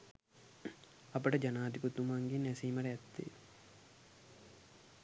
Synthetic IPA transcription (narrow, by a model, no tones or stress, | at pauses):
ɐpəʈəd͡ʒanaːd̪ʱiput̪ːumaŋɡinæsiːmɐɾɐɛt̪ːḛː